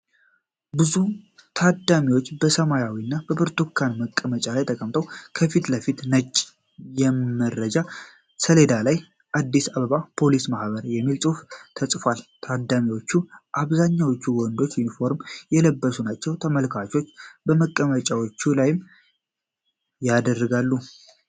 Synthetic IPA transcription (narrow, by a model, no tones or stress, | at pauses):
bɨzut̪ʰad̪amiwot͡ʃːbəsəmajawiɨnːab̥əbɨɾt̪ukʰːanməkʼːəmət͡ʃʼalajt̪ʰəkʼəmt̪ʰəwkʰəfit̪ləfit̪nət͡ʃʼː | jɛmːəɾəd͡ʒa | səle̞d̪alaj | ʔad̪ːisaβəβapʰo̞lismahβəɾjɛmːilsʼuft̪ʰəsʼfalt̪ʰad̪amiwot͡ʃːuʔaβzaɲːawot͡ʃːuwɔnd̪o̞t͡ʃːjunifo̞ɾmjɛləbːəsunat͡ʃːɛwt̪ʰəməlkʰat͡ʃo̞t͡ʃːbəməkʼːəmət͡ʃʼawot͡ʃːulajɪm | jad̪ərːɡalːu